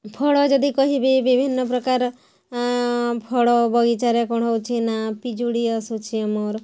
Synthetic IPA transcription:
pʰɔɽɔd͡ʒɔd̪ikɔɦibibibʱinːɔpɾɔkaɾ | pʰɔɽɔbʱɔɡit͡ʃaɾekɔɽ̃ɔwt͡ʃʰinapid͡ʒuɽiɔsut͡ʃʰiɔmoɾ

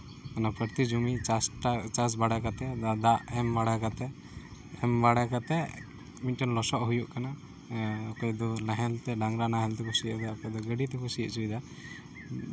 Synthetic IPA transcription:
kanapəɾt̪id͡ʒumiasʈat͡ʃas̬baɽakat̪ɛad̪aʔɛmbaɽakat̪ɛ | ɛmbaɽakat̪ɛ | miʈənlɔsɔʔɦujuʔkana | ɔkɔjd̪ɔlaɦɛlt̪ɛɖaŋɾanaɦɛlt̪ɛkʰɔsiəʔd̪ɛɔkɔd̪ɔɡəɖit̪ɛkɔsiəʔt͡ʃʰud̪a

